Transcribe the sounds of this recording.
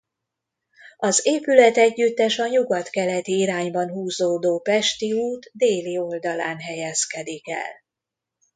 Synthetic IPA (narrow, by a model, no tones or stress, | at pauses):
ɒzeːpylɛt̪ɛɟːyt̪ːɛʃɒɲuɡɒt̪kɛlɛt̪iiɾaːɲbɒnɦuːzoːd̪oːpɛʃt̪iuːt̪d̪eːlio̞ld̪ɒlaːnɦɛjɛskɛd̪ikɛ̰l